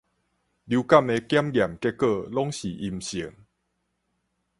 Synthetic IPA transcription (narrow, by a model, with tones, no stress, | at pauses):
lju˧ka˥˨me˧kja˦mɡja˨˩mke˦˥kə˥˧˨lɔ˦ŋɕi˨˩ʔi˧mɕi˨˦ŋ